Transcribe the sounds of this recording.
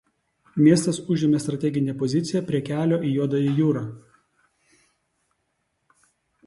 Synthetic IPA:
mʲiɛst̪ɐsʊʒʲɪmʲest̪ɾɐt̪ʲɛɡʲɪnʲepɔzʲɪt̪sʲɪjɛpʲɾʲiɛkʲæːlʲoːʔiːjuɔd̪ɐjijuːɾɑː

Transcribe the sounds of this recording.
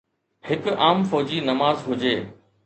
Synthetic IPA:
hɪkʊ̆ʔaːmfɔːd͡ʑinɐmaːzɦʊd͡ʑeː

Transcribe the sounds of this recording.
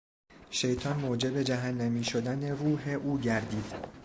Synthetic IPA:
ʃe̞jt̪ʰɒːnmoːd͡ʒe̞be̞d͡ʒæɦænːæmiːʃo̞d̪æne̞ruːɦe̞ʔuːɟæɾd̪iːd̪̥

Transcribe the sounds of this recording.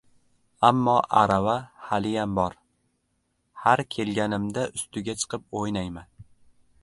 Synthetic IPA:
amːɒʔa̰ɾavahalɪjambɒɾ | haɾkʲʰe̞lɡʲanɪmd̪aʊst̪ʊɡʲat͡ʃʰɨ̥qʰɨp̚ojnajman

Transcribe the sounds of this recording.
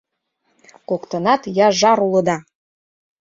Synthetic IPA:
kokt̪ɤ̆nɑt̪jɑʒɑɾulˠɤ̆d̪ɑ

